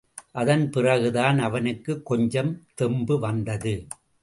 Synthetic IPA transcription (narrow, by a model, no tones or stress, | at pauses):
ʔɐðɐnpɪrɐɣɯðaːnɐʋɐnɯkːɯkːɔɲd͡ʒɐmt̪ɛmbɯʋɐnd̪ɐðɯ